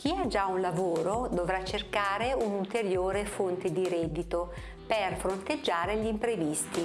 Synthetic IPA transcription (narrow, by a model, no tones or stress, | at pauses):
kʰiad͡ʒaunlavoːɾod̪ovɾat͡ʃːerkaːɾeunult̪eɾjoːɾefont̪ed̪iɾɛd̪ːit̪o | perfɾont̪ed͡ʒːaːɾeʎimpɾevist̪i